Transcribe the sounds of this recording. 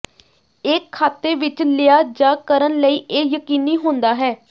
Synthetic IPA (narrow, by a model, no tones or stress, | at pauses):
eːkʰːaːt̪eːʋɪt͡ʃlɪjaːd͡ʒaːkəɾənləiːʔeːjəkiːniːɦʊ̃nd̪aːɦɛː